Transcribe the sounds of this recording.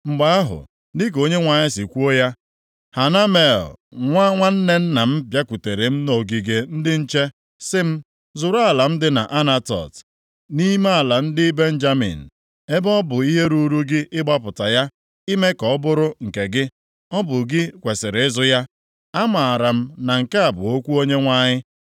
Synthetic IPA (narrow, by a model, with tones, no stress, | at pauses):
ŋ͡m̩˨ɡ͡ba˦a˦ɦʊ̰˨ | nɪ˦k̬o˦ɲe˦ŋʷa˨ɲɪ˦si˨kʷu˦o˦ja˦ | ha˨na˦me˨lŋʷa˦ŋʷa˦n̩˦ne˦n̩˦na˨m̩˦pja˦kʷu˨te˨ɾe˨m̩˦no˨ɡi˨ɡe˨n̩˦dɪ˦n̩˦t͡ʃe˦ | sɪ˦m̩˦ | zʊ˨ɾa˦˨la˨m̩˦dɪ˦na̰˨ʔa˦na˦tɔ̰˨t | ni˦me˦a˨la˨n̩˦dɪ˦be˦n̩˦d͡ʒa˦mḭ˨n̩˨ | e˦bɔ˦bʊ˨i˦ɦe˦ɾu˦ɾu˦ɡɪ˦ʔɪ˦ɡ͡ba˦pʊ˨ta˨ja˦ | i˦me˦kɔ˨˦bʊ˦ɾʊ˦ŋ̩˨ke˨ɡɪ˦ | ɔ˦bʊ˨ɡɪ˦kʷe˨sɪ˨ɾɪ˨ɪ˦zʊ˦ja˦ | a˦ma˨a˨ɾa˨m̩˦na˨ŋ̩˨ke˦a˨bʊ̰˨o˦kʷu˦o˦ɲe˦ŋʷa˦ɲɪ˦